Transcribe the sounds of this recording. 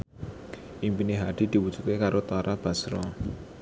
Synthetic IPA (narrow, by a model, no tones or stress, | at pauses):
ʔimpineɦad̪̥i̤d̪̥i̤wud̥d͡ʒu̥t̪̚kekaɾot̪aɾʔab̥a̤sɾɔ